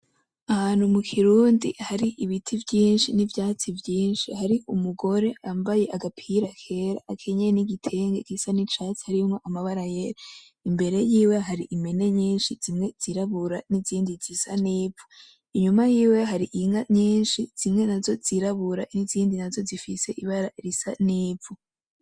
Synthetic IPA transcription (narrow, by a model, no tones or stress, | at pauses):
ahaːnhumukʰiɾuːndihaɾiʔiβitʰivjiːnʃinivjaːt͡sivjiːnʃihaɾiumuɡo̞ɾe̞ʔambaje̞ʔaɡapʰiɾakʰe̞ɾa̰ːkʰeɲeniɡitʰe̞ŋɡeɡisanit͡ʃat͡si̥haɾimŋoʔamaβaɾajeɾa | imbe̞ɾe̞jiːwe̞ɦaɾiʔime̞ne̞ɲiːnʃiz̥imŋe̞z̥iɾaβuɾaniziːndizisaniːbvo | iɲumajiːwe̞ɦaɾiʔiŋaɲiːnʃiz̥imŋe̞nazo̞z̥iɾaβuɾaniziːndinazo̞zifise̞ʔiβaɾaɾisa̰niːbvo